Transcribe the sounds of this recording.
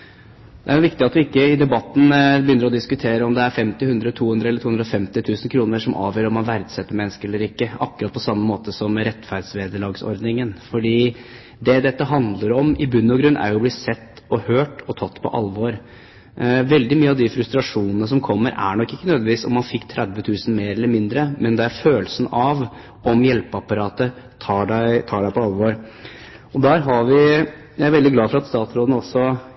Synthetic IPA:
d̪̥ɛæɾʊʋɪkt̪ɪɑt̪ʋɪɪkːəɪd̪ɛbɑt̪ːn̩bəjʏnəɾɔd̪ɪskʉt̪ʰeːɾəɔmd̪ɛæɾfɛmt̪ɪhʉnd̪ɾəɔt̪ʰuːʉnd̪ɾəɛlːət̪ʰuːɵnd̪ɾɔfɛmt̪ɪt̪ʰʉːsən̩kʰɾuːnəʂɔmʔɑ̰ːʋjəːɾɔmːɑnʋæɾd̪sɛt̪ːəmɛnskəɛlːəɾɪkːəɑ̰kːɾɑt̪̚pʰɔsɑmːəmoːt̪əsɔmɾɛt̪ːfæɾd̪sʋeːd̪əɭɑːɡsɔ̰ɾd̪nɪŋənfɔɖiː | d̪ɛd̪ɛt̪ːəɦɑnd̪ləɾɔmɪbʉnːɔɡɾʉnːʔæ̰ɾjʊbliːsɛt̪ːɔhøːʈɔt̪ʰɑt̪ːpʰɔ̰ʔɑ̰lʋɔɾ | ʋɛld̪ɪmyːəɑʋd̪ɪfɾʉst̪ɾɑʂuːnənəs̬ɔmkʰɔmːəɾʔæ̰ɳɔkːɪkːənøːd̪əʋiːsɔ̰mːɑnfɪkːt̪ʰɾʔæd̪ʋət̪ʰʉːsn̩meːɾɛlːəɾmɪnd̪ɾəmɛnd̪ɛæɾføːlsn̩ɑʋ | ɔmjɛlpəɑpɑɾɑːt̪ə | t̪ʰɑːɖæɪt̪ʰɑːɖæɪpʰɔɑlʋoːɾ | ɔd̪æːɾɦɑʋɪ | jæɪæɾʋɛld̪ɪɡlɑːfɔɾɑt̪st̪ɑːt̪sɾoːd̪nəɔsɔ

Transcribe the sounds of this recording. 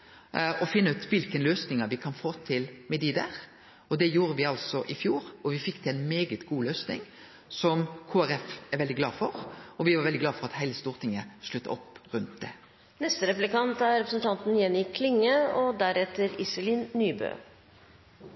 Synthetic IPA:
ɔfɪnːəʉːt̪ʋɪlkənløːsnɪŋəʋɪkʰɑnfoːt̪ʰɪlmɛd̪iːd̪æʁ | ɔd̪ɛjuːɾəʋɪɑlsɔʔɪfjuːɾɔʋɪfɪkːt̪ʰɪæɪnmeːɡət̪ɡuːløːsnɪ̰ŋ | sɔmkʰuːæɾɛfɛɾʋɛld̪ɪɡlɑːfɔɾɔʋɪʋɑɾʋɛld̪ɪɡlɑːfɔɾɑt̪hæɪləst̪uːʁt̪ʰɪŋːəʂlʉt̪ːə̰ɔpːʁʉnt̪̚d̪ɛ | nɛst̪əɾɛplɪkɑnt̪æɾɾɛpɾəsn̩t̪ʰɑnt̪n̩jɛnɪkʰlɪŋːəɔd̪æɾɛt̪ːəɾɪsəlinːyːbø̰ː

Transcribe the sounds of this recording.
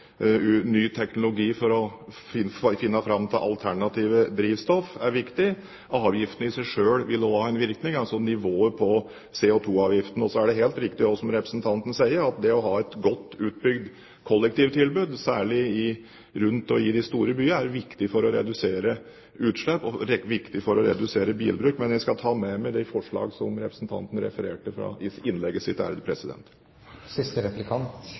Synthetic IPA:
nyːt̪ʰɛknʊlʊɡiːfɔɾɔfɪfɪnːəfɾɑmt̪ʰɪʔɑ̰lt̪ʰæɳɑt̪ʰiːʋəd̪ɾiːʋst̪ɔfæɾʋɪkt̪ɪ | ʔɑːʋjɪft̪ən̩ɪsæɪʂøːɽʋɪlːɔhɑːɛnʋɪɾknɪŋɑlsɔnɪʋoːəpʰɔ | seːɔt̪ʰuːɑːʋjɪft̪ən̩ɔsɔæɖɛɦeːlt̪ɾɪkt̪ɪɔsɔmɾɛpɾəsnt̪ʰɑnt̪ənəsæɪəɾɑt̪̚d̪ɛɔɦɑːɛt̪ɡɔt̪ːʉːt̪̚bʏɡd̪ | kʰɔlːɛk̚t̪iːʋt̪ʰɪlbʉːd̪sæːɭɪɪ | ɾʉnt̪ɔɪd̪ɪst̪uːɾəbyːəæɾʋɪkt̪ɪfɔɾɔɾɛ̰d̪ʉseːɾə | ʉːt̪ʂɭɛpːɔɾʋɪkt̪ɪfɔɾɔɾɛ̰d̪ʉseːɾəbḭːlbɾʉːkmɛnjæɪskɑt̪ʰɑːmɛmɛd̪ɛfɔʂɭɑ̰ːɡsɔmɾɛpɾəsn̩t̪ʰɑ̰nt̪ənəɾɛ̰fəɾeːʈəfɾɑ̰ɪɪnlɛɡːəsɪt̪æ̰ɾəd̪əpʰɾɛsɪd̪ɛ̰nt̪ | sɪst̪əɾɛplɪkʰɑnt̪

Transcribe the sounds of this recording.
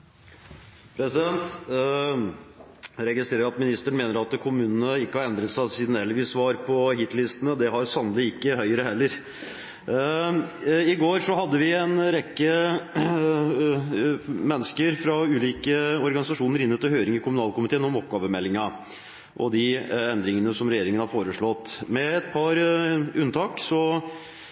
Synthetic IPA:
pʰɾɛsɪd̪ɛnt̪ | ɾɛɡɪst̪ɾeːɾəɾɑt̪mɪnɪst̪əɳmeːnəɾɑt̪kʰʊmʉːnənəɪkːəhɑɾɛnd̪ɾət̪sæɪsiːd̪nɛlːəʋɪːsʋɑːɾpʰɔɦɪt̪lɪst̪ənəd̪ɛɦɑɾsɑnəlɪɪkːəhœʏəɾəhɛlːəɾ | ɪɡoːɾʂɔɦɑd̪ːəʋɪɛnɾɛkːə | mɛnːəskəɾfɾɑʉːliːkəɔɾɡɑnɪsɑʂuːnəɾɪnːət̪ːɪhøːɾɪŋɪkʰʊmʉnɑːlkʊmɪt̪ʰeːənɔmɔp̚ɡɑːʋəmɛlːɪŋɑ | ʔɔd̪ɪɛnd̪ɾɪŋənəsɔmɾɛjeːɾɪŋənhɑɾfoːɾəʂɭɔt̪ːmɛɛt̪pʰɑɾʉnt̪ʰɑːksɔ

